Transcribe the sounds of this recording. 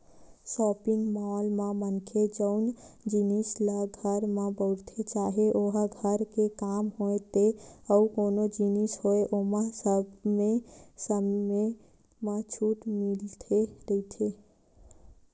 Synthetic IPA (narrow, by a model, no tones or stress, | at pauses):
sɔpiŋɡmalmamənkʰed͡ʒəʊnd͡ʒinislaɡʱəɾmabəʊɾt̪ʰet͡ʃaɦeʔoɦaɡʱəɾkekamɦoet̪eəukonod͡ʒinishoeʔomasəbmesəmme | mat͡ʃʰuʈmilt̪ʰeɾəit̪ʰe